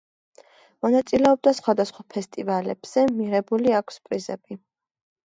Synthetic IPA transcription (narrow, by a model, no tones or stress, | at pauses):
mɔnat̪sʼilɛɔb̚d̪asχwad̪asχwapʰɛst̪ʼivalɛb̥z̥ɛmiʁɛbuliakʰspʼɾizɛbi